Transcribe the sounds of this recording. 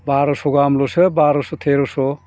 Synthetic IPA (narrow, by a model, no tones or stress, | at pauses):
baɾɔsoɡamlosɯbaɾosot̪ʰeɾoso